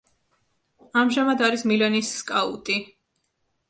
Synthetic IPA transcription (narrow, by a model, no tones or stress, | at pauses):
amʒamad̪aɾismilɛnisːkʼaṵt̪ʼi